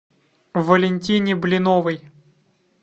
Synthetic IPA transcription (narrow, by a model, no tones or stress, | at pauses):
vːɐlʲɪnʲtʲinʲɪblʲɪnɔʋɨj